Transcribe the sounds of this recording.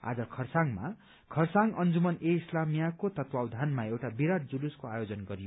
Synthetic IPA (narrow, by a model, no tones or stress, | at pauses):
a̰d͡zʌkʰʌrsaŋma̰ | kʰʌrsaŋʌnd͡zumʌneislamijakot̪ʌt̪wawd̪ʱanmaewʈabiɾaʈ̚d͡zuluskoajod͡zʌnɡʌɾijo